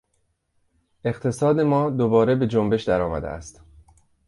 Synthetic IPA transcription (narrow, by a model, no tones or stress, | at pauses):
ʔe̞qt̪ʰe̞sɒːd̪e̞mɒːd̪obɒːɾebe̞d͡ʒombe̞ʃd̪æɾɒːmæ̰d̪ḛæ̰st̪